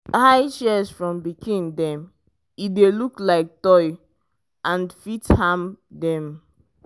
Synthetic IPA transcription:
haɪʃɛsfɹɔ̃mbikʰĩndɛ̃m | ideluklaɪk̚tɔɪ | ʔãnfithãmdɛ̃m

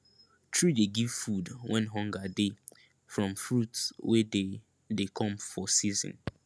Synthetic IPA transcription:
tʰɹideɡiv̥fudwɛ̃nɦɔ̃ŋɡade | fɹɔ̃mfɹutswede | dekʰɔ̃mfɔsizɪ̰̃n

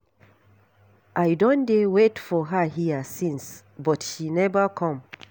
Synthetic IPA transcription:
ʔajdõndewetfɔɦəhiəsĩns | bɔtʃinɛvəkʰɔ̃m

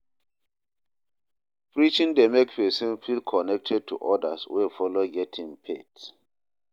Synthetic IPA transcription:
pɹit͡ʃĩndɛmɛkpɛsɛ̃nfilkʰɔnɛk̚tʰɛd̚tʰṵʔɔdaswefɔloɡɛtʰĩŋpʰet

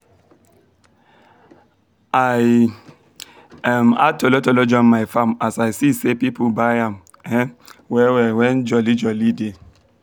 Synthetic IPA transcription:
aj | ama̰tolotolod͡ʒɔmmaɪfamasaɪsisepipobaɪãm | ɛwɛwɛwɛnd͡ʒɔlid͡ʒɔlide

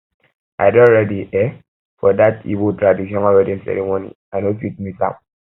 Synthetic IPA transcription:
aɪdɔɹediʔɛ | fɔdatḭbotɾadiʃɔ̃nɔɹɛdĩnsɛ̰ɾimonḭ | anofit̚misã̰m

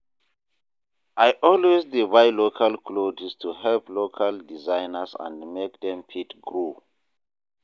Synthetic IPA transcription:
ʔajʔɔlwezdibajlokʰalkʰlod͡ʒistʰuɦɛlplokʰaldizãjnəsã̰ndmek̚dɛ̃mpʰitɡɹu

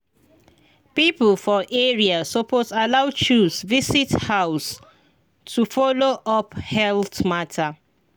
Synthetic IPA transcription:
pipəlfɔʔɛɹiasɔposalaʊt͡ʃusvisithaʊs | tʰufɔloʔɔphɛltmatʰa

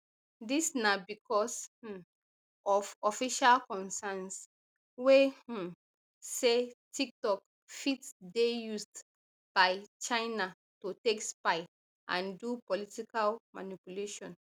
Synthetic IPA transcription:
disnabikʰɔs̩ | ɔvɔfiʃalkɔ̃nsɛns | wẽ | setʰik̚tɔk | fitsdejusd | b̥aɪt͡ʃãɪna | totekspaɪ | ʔã̰ndupɔlitikalma̰nipuleʃɔ̃n

